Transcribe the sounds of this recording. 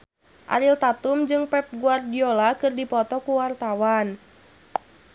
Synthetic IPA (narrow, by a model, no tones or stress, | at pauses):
ʔa̰ɾilt̪at̪umd͡ʒɨŋpɛp̚ɡuardiolakɨrdipɔt̪ɔkuwart̪awan